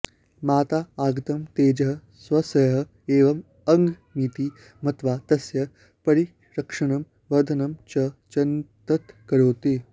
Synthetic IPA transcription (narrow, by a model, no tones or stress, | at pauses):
maːt̪aːaːɡɐt̪ɐmt̪eːd͡ʒɐɦɐ̆ | sʋɐsɐjɐɦɐ̆ | eːʋɐm | ɐŋɡʱmit̪i | mɐt̪ʋaːt̪ɐsjɐ | pɐɾi | ɾɐkʂɐɳɐm | ʋɐd̪ʱɐnɐmt͡ʃɐt͡ʃɐnt̪ɐt̪kɐɾoːt̪eː